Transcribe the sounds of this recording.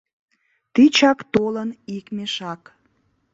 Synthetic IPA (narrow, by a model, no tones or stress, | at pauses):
t̪it͡ɕɑkt̪olənikmeʃɑk